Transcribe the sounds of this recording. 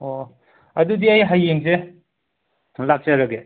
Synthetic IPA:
o | ɐdudiajɦajːeŋze | lak̚t͡ʃaɾɐɡe

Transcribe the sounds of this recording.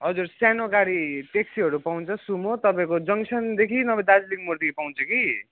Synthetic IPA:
ɦʌd͡zursjanoɡaɾiteksiʌɾupaw̃nt͡sʰʌsumot̪ʌpãĩkod͡zʌŋsʰʌnd̪ekʰinʌbʌd̪ad͡zlikmurd̪ikipaw̃nt͡sʰʌki

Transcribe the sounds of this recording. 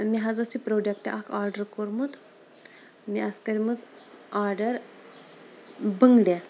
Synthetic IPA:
miɦad͡zəsipɾoɖekʈa̰ʔakʰaɾɖəɾkoɾmut̪ | miaskəɾiməd͡zaɾɖəɾ | bəŋɡɽjɛ

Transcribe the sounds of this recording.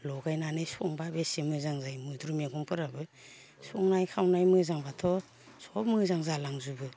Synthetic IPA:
lɔɡajnanɯjsɔŋbabesemɯzaŋzajmɯdɾumeɡɔmpʰɯɾabɯ | sɔŋnajkʰawnajmɯzaŋbatʰɔ | sɔpmɯzaŋzalaŋzubɯ

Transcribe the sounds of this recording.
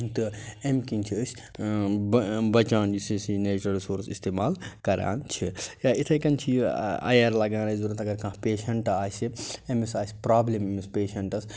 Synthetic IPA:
t̪ɨemkinʲt͡ʃʰiːsʲ | bɐt͡ʃaːnd͡ʒisisineːt͡ʃɐɾisoːɾsist̪ʰeːmaːlkɐɾa̰ːnt͡ʃʰijaːit̪ʰɐjkɐnt͡ʃʰiɐ̰jɐɾlɐɡãːɾɐzuɾɐt̪ʰɐɡɐɾkãːɦpeːʃɐɳʈaːsʲiemisaːsʲpɾaːblememispeːʃɐɳʈɐs

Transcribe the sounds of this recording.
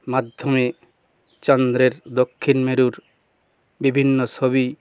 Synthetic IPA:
mad̪ʱːome | t͡ɕɔnd̪ɾeɾd̪okʰːinmeɾuɾ | bibʱinːosʰoβi

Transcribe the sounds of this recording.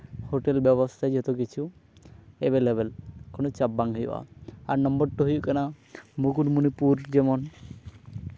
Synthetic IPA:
hoʈelbɛbɔst̪ʰad͡ʒɦɔt̪okit͡ʃʰu | ɛbelebɛlkonot͡ʃabbaŋɦɔjo̰ʔa̰aɾnɔmbɔɾʈuɦujuʔkana | mukuʈmunipuɾd͡ʒɛmɔn

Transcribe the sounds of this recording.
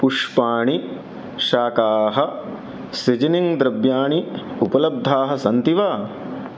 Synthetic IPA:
puʂpaːɳi | ʃaːkaːɦɐ | sed͡ʒɐniŋd̪ɾɐbjaːɳiupɐlɐb̚d̪ʱaːɦɐ̆sɐnt̪iʋaː

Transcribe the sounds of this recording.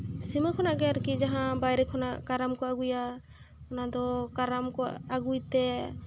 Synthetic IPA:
siməkʰɔnaɡɛaɾkid͡ʒaɦãbajɾɛkʰɔnakaɾamkɔaɡuja | ɔnad̪ɔkaɾamkɔaɡujt̪ɛ

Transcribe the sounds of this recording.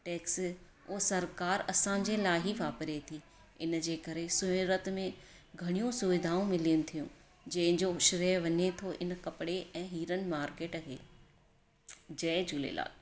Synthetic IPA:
ʈeːks | oːsɐɾkaːɾɐsãːɲ̆d͡ʑelaːɦiʋaːpɾet̪ʰiː | ɪnd͡ʑeːkɐɾesʊɪɾət̪mẽ | ɡʱɐɽ̃ijũsʊʋɪd̪ʱaːũmɪliʊnɪ̆t̪ʰijũ | d͡ʑɐ̃ɦɪ̃d͡ʑoʃɾeʋɐɲet̪ʰoʔɪnkɐpɪɽeʔɛ̃ːɦiːɾənɪ̆maːɾkeːʈɐɦeː | d͡ʑɐ̃ːɪ̃d͡ʑʱuːlḛla̰ːl

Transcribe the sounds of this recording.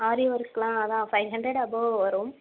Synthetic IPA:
aːɾiʋɐɾkslãːɐðãːfɐɪʋɦɐɳɖɾeɽɐboːʋɐɾom

